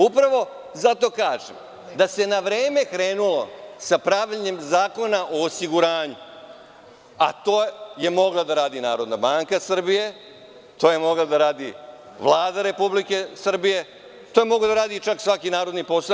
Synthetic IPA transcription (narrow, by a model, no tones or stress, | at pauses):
upɾaʋo̞ | zat̪o̞ːkaːʒḛm | d̪ase̞naʋɾe̞ːme̞kɾe̞ːnulo̞sapɾaʋʎɲe̞mzaːko̞naʔo̞osiɡuɾaːɲu | a̰t̪oːje̞mo̞ɡlˠad̪aɾaːd̪inaːɾo̞d̪nabaːŋkasr̩bije̞ | t̪o̞ːje̞mo̞ɡlˠad̪aɾaːd̪i | ʋlˠaːd̪aɾe̞publike̞sr̩bije̞ | t̪ojemo̞ɡlad̪aɾaːd̪it͡ʃaksʋakinaːɾo̞d̪nipo̞sa